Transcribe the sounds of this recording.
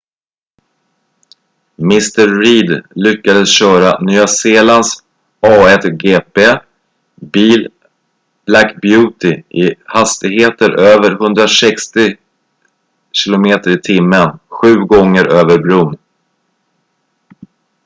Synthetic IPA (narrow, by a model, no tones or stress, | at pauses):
mɪst̪əɾːiːd̪lʏkːad̪əsɕœːɾanyːaseːlans | ɑːɛt̪ɡeːpeː | biːl | lakbjʉ̟ːt̪ɪʔɪhast̪ɪɡɦheːt̪əɾʔøːvəɾɦɵnd̪ɾasɛkst̪ɪ | ɕɪlʊmeːt̪əɾɪt̪ʰɪmːənɧʉ̟ːɡɔŋːəɾøːvəɾbɾun